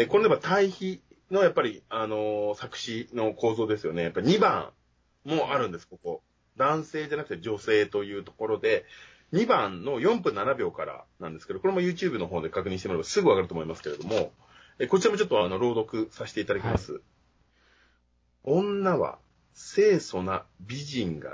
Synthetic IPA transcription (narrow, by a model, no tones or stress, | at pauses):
eko̞nd̪ebat̪ʰaiçi | nojapːaɾʲiano̞sakɯ̟̥ɕino̞ko̞ːzo̞ːd̪e̞sɨjo̞̰ne̞japːaɾʲiɲ̟ibã̰ | mo̞ʔaɾɯ̟̃nd̪e̞sɨ̥ko̞ko̞ | d̪ãɰ̃se̞ːd͡ʑanakɯ̟t̪ed͡ʑo̞se̞ːt̪o̞jɯ̟ːt̪o̞̥ko̞ɾo̞d̪e̞ | ɲ̟ibãnːo̞jõ̞mpɯ̟̃nːanabʲo̞ːkaɾa̰nãnd̪esɨ̥ked̪okoɾemojɯ̟ːt͡ɕɨːbɯ̟no̞ɦo̞ːd̪e̞kakɯ̟ɲ̟ĩɕit̪emɾebasɨɡɯ̟aɡaɾɯt̪omo̞imasɨ̥ke̞ɾe̞d̪o̞mo̞ | eːko̞t͡ɕiɾamot͡ɕo̞t̪ːo̞ano̞ɾo̞ːd̪o̞kɯ̟saɕi̥t̪e̞it̪ad̪akʲimasɨ̰ | õ̞nːaβa̰ | se̞ːso̞nabʲiʑĩŋɡa̰